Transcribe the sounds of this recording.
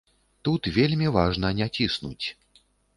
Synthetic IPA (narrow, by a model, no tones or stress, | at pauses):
t̪ut̪vʲelʲmʲivaʐnɐnʲat͡sʲisnṵt͡sʲ